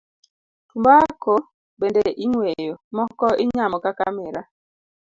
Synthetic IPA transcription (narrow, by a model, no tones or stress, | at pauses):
tumbakɔ | bendeʔiŋwejomɔkɔʔiɲamɔkakamɛɾa